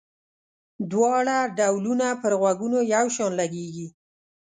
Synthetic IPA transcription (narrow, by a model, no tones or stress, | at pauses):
d̪wɑɽaɖawlunapəɾɣwaɡunojawʃɑnlaɡeɡi